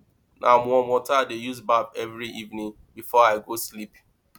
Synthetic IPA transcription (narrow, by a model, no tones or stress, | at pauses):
nʔamɔmɔtadejuzbabɛvɾiʔivnĩŋ | bifɔaɪɡoslip